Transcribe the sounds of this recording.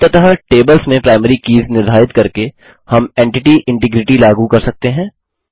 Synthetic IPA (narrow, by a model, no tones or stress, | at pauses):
t̪ɐt̪ɦaʈeːbəlsmẽpɾaːɪməɾikiːznɪɾd̪ʱaːɪt̪kɐɾke | hɐmɛ̃ːɳʈɪʈiʔɪ̃ɳʈɪɡɾɪʈilaːɡukɐɾsɐk̚t̪eɦɛ̃ː